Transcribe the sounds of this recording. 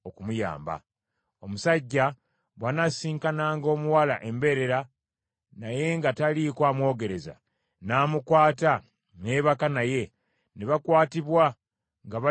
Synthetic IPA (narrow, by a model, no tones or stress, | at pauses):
o̞kumuja̰ːmba̰ | o̞musaɟːa | βwanasiːŋkanaːŋɡo̞ːmuwalaʔe̞mbe̞ɾe̞ɾa | naje̞ŋɡatalikwaːmwo̞ːɡe̞ɾe̞za̰ | naːmukwaːta | ne̞ːβakanaje̞ | neβakwaːtiβwa | ŋɡaβa